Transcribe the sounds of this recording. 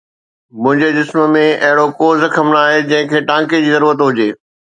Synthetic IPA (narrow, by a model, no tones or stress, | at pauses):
mʊ̃ɦɪ̃ɲd͡ʑed͡ʑɪsmə̆mẽʔɐɦɪɽokoːzɐkʰəmnaːɦed͡ʑɐ̃ɦɪ̃kʰeːʈãːked͡ʑiːzɐɾuːɾət̪ɦʊd͡ʑeː